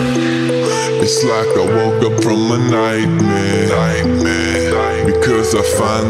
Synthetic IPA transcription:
ɨtslaɪkəwɔʊkʌpfɹʌ̃mðənaɪt̚mɛ | t̚mɛ | bɨkʰʌzaɪfãɪ̃n

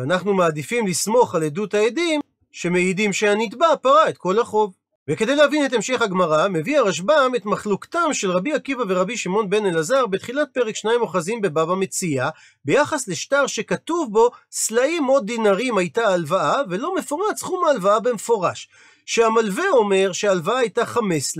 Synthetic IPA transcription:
vanaχnumaːd̪ifimlismo̞χaledutaedim | ʃe̞meidimʃeanitbapaʁaet̪̚ko̞laχo̞v | veke̞d̪ejleavine̞temʃe̞χhaɡmaʁame̞viaʁaʃ̬bame̞tmaχluktamʃelʁabiakivaveʁabiʃimo̞nbe̞nelazaʁbet̪χilat̚pe̞ʁekʃnajmo̞χazimbe̞bavame̞t͡sia | be̞jaχasle̞ʃtaʁʃe̞katuvbo̞slaʔimo̞d̪dːinaʁimajtaːlvaave̞lo̞me̞foʁat͡sχumaːlvaabemefo̞ʁaʃ | ʃeamalve̞o̞me̞ʁʃeaːlvaaːjtaχame̞sl

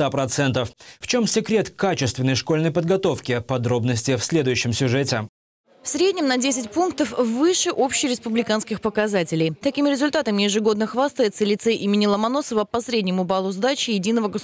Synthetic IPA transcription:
t̪apɾɐt̪sɛnt̪əfft͡ɕo̞msʲɪkɾʲe̞t̪kat͡ɕɪst̪vʲɪnːəjʂko̞lʲnəjpəd̪ɡɐt̪o̞fkʲɪpɐd̪ɾo̞bnəsʲtʲɪfsʲlʲe̞d̪ʊjʉɕːɪmsʲʊʐɛtʲɪ | fsɾʲedʲnʲɪmnɐdʲesʲɪtʲpunk̚t̪əfvɨʂɨʔo̞pɕɪjɾʲɪspʊblʲɪkanskʲɪxpəkɐzatʲɪlʲɪjt̪ɐkʲimʲɪɾʲɪzʊlʲt̪at̪əmʲɪjɪʐɨɡo̞d̪nəxvast̪əjɪt̪səlʲɪt̪sɛʔimʲɪnʲɪlˠəmɐno̞səvəpɐsɾʲedʲnʲɪmʊbalˠʊzd̪at͡ɕɪjɪdʲinəvəɡə

